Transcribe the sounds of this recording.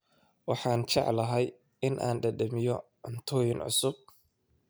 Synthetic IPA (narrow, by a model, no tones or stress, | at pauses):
wɑħɑːnt͡ʃɑ̰ʕlɐɦɛj | ɪnʔa̰ːnɖɐdɐmɪjɔ | ɐnt̪ʰɔːjɪnʕʊ̰sʊb̚